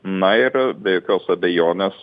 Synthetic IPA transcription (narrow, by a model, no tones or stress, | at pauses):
nɐɪɾbʲɛjokʲoːsɐbʲɛjoːnʲes